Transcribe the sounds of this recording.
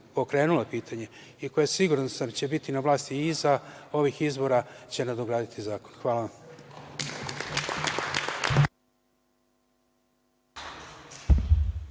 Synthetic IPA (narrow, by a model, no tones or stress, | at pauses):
po̞kɾe̞ːnulopiːt̪ʰaɲe̞ | iko̞jesiɡuɾansamt͡ɕe̞bit̪inaʋlˠaːst̪iizao̞ʋixizbo̞ɾat͡ɕe̞nad̪oɡɾaːd̪it̪ʰizaːko̞̥nxʋaːlaʋam